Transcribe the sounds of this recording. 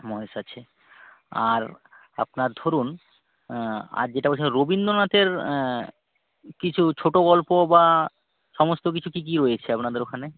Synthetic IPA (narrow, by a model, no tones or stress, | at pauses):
mɔɦeʃat͡ɕʰe | aɾ | a̰pnaɾd̪ʱoɾun | a̰ɾd͡ʑeʈapot͡ɕʰeɾobind̪onat̪eɾ | kit͡ɕʰut͡ɕʰoʈoɡɔlpoba | ʃɔmost̪okit͡ɕʰukik̬iɾojet͡ɕʰeapnad̪eɾokʰane